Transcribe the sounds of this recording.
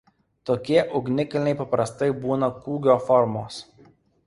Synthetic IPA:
t̪oːkʲiɛʔʊɡnʲɪkɐlʲɪnʲɛɪpɐpɾɐst̪ɐɪbuːnɐkuːɡʲoːfɔɾmoːs

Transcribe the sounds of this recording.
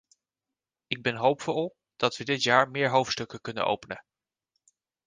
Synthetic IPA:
ɪɡ̚bɛnɦowpfɔɔlˠ | d̥ɑtʋədɪtjaːɹmɪːɹɦowftstɵkəkɵnə̰nʔo̰wpənə

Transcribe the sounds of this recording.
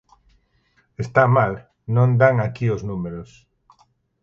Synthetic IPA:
est̪amal | nõnd̪aŋakioznumeɾos

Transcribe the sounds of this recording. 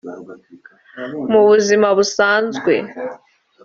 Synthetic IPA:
muβuzimaβusaːnzɡwe̞̰

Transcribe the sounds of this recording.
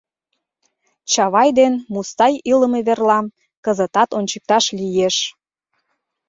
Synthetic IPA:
t͡ɕɑβɑjd̪enmust̪ɑjiləmeβerlɑm | kəzət̪ɑt̪onʲt͡ɕək̚t̪ɑʃlijeʃ

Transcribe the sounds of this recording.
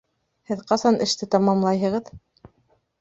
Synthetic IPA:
hɘðqɑsɑnʔɘ̆ʃt̪ɘt̪ɑmɑmlˠɑjɦɤ̆ʁɤð

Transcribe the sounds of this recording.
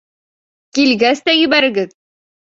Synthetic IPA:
kilɡæst̪æjɵ̆βæɾɘ̆ɡɘð

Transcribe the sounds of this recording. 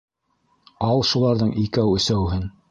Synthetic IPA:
ɑlˠʃulˠɑɾðɤɴʔikæwɵ̆sæwɦɘn

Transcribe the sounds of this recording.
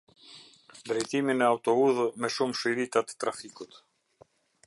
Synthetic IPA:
d̪ɾɛjt̪iminɛawt̪ɔuðmɛʃumʃijɾit̪at̪ə̥t̪ɾafikut̪

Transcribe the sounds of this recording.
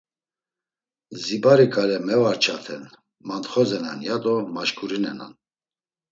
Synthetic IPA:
zibaɾikʼalɛmɛvaɾt͡ʃʰat̪ʰɛn | mant̪χɔzɛna̰njad̪ɔmaʃkʼuɾinɛna̰n

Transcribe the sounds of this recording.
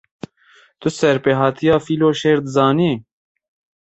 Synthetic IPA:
t̪ʊsɛɾpeɦɑːt̪ʰijɑːfiːloːʃeːɾd̪zɑːniː

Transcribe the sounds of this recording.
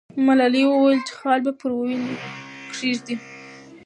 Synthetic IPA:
malaliwəwajlt͡ʃe̥xɑlbjapəɾwwinkʂeʐd̪i

